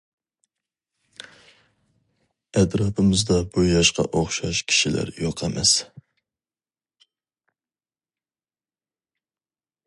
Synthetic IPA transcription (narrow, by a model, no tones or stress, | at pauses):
ɛd̪ɾɑpʰɨmɨzd̪ɑbujɑʃqɑ̰ʔoχʃɑʃkʲʰi̥ʃilæ̰ɾjoqʰɛmʔɛs